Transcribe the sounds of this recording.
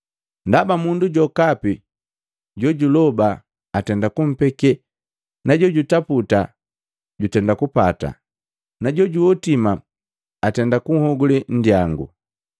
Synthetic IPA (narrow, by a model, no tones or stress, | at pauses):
ndabamunduɟɔkapi | ɟɔɟulɔbaː | tɛndakum̩pɛkɛ | naɟɔɟutaputa | ɟutɛndakupata̰ | naɟɔɟuwɔtimaː | tɛndakuŋ̩hɔɡulin̩djaŋɡṵ